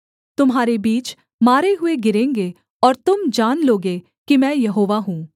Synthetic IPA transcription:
t̪ʊmɦaːɾebiːt͡ʃ | maːɾeɦʊeɡɪɾẽːŋɡe | ɔːɾt̪ʊmd͡ʒaːnloːɡe | kimɛ̃ːjɐɦoːʋaɦũː

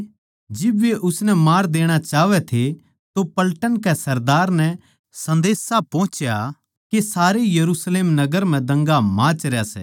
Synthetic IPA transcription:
d͡ʒɪbʋeʔʊsnɛmaːɾd̪eːɽ̃at͡ʃaːʋɛt̪ʰe | t̪opɐlʈənkɛsɐɾd̪aːɾnɛ | sɐ̃nd̪eːsapɔ̃ːt͡ʃja | kesaːɾejɐɾusleːmnɐɡəɾm̤ɛ̃d̪ɐ̃ŋɡamãːt͡ʃɾjasɛ̰ː

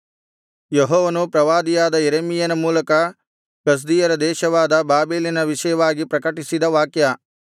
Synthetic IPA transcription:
jeɦɔːʋɐnupɾɐʋaːd̪ijaːd̪ɐjeɾemijɐnɐmuːlɐkɐ | ɡ̥ɐs̬d̪ijɐɾɐd̪ɛːʃɐʋaːd̪ɐbaːbeːlinɐʋiʃɐjɐʋaːɡipɾɐkɐʈisid̪ɐʋaːkjɐ

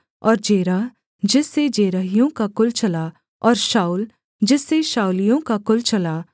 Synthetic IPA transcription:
ɔːɾd͡ʒeːɾa | d͡ʒɪsed͡ʒeːɾaɦijõkakʊlt͡ʃɐla | ɔːɾʃaːul | d͡ʒɪseʃaːulɪjõkakʊlt͡ʃɐlaː

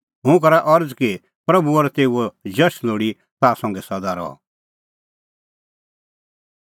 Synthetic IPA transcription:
ɦʊ̃k̬ɐɾaʔɔɾd͡zki | pɾɐbuɔɾɛt̪eːuod͡ʒɐʃloːɽi | t̪aːsɔ̃ŋɡɛsɐd̪aɾɔ̰ɔ̰

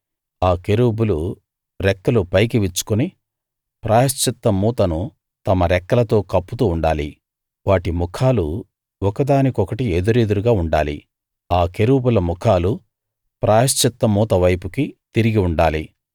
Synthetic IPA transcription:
aːkeɾuːbulu | ɾɛkːɐlupɐjk̬iʋit͡ʃːu̥kuni | pɾaːjɐst͡ʃit̪ːɐmuːt̪ɐnu | t̪ɐmɐɾɛkːɐlɐt̪o̞ːkɐpːut̪uːɳɖaːli | ʋaːʈimukʰaːlu | ɔkɐd̪aːnikiɔkɐʈieːd̪uɾed̪uɾuɡaːuɳɖa̰ːlḭ | aːke̞ɾuːbulɐmukʰaːlu | pɾaːjɐst͡ʃit̪ːɐmuːt̪ɐʋɐjpukit̪iɾiɡiuɳɖaːlḭ

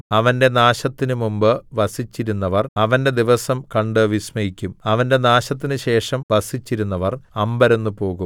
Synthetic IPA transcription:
ɐʋɐnde̞naːɕɐt̪ːinɨmumbɨʋɐsit͡ɕːiɾunːɐʋɐrɐʋɐnde̞d̪iʋɐsɐmkɐɳɖɨʋismɐjikʲːumɐʋɐnde̞naːɕɐt̪ːinɨɕe̞ːʂɐmʋɐsit͡ɕːiɾun̪ːɐʋɐrɐmbɐɾenːupo̞ːɣum

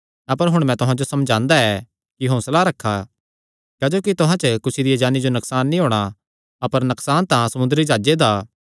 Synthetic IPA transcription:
ɐpəɾɦʊɽ̃mɛ̃t̪ʊɦãd͡ʒosɐmd͡ʒãːnd̪aɛ | kiɦõːsɐlaːɾɐkʰːa | kɛːd͡ʒoːkit̪ʊɦãt͡ʃəkʊsid̪ijad͡ʒaːnid͡ʒonɐksaːnːĩɦoːɽ̃a | ɐpəɾnɐksaːnt̪ãsɐmʊ̃nd̪əɾid͡ʒaːd͡ʒed̪aː

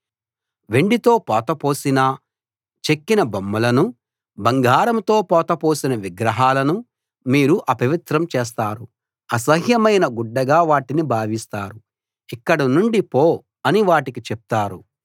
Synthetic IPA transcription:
ʋe̞ɳɖit̪o̞ːpɔːt̪ɐpo̞ːsinɐ | t͡ʃe̞kːinɐbɐmːɐlɐnu | bɐŋɡaːɾɐmt̪o̞ːpɔːt̪ɐpo̞ːsinɐʋiɡɾɐɦaːlɐnu | miːɾuʔɐpɐʋit̪ɾɐmt͡ʃɛːs̬t̪aːɾu | ɐsɐɦjɐmɐjnɐɡuɖːɐɡaːʋaːʈinibʱaːʋist̪aːɾu | ikːɐɽɐnuɳɖipoː | ɐniʋaːʈikit͡ʃep̚t̪aːɾu

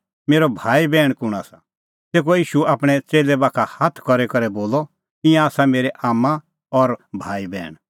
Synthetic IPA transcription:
meːɾɔbʱaːibɛːɽ̃kʊɽ̃aːsa | t̪eːk̬ojiːʃuaːpɽ̃ɛt͡seːlɛbaːkʰahaːt̪ʰkɔɾɛkɐɾɛboːlɔ | ɪ̃jãaːsameːɾɛʔaːmːã | ɔɾbʱaːibɛ̰ːɽ̃

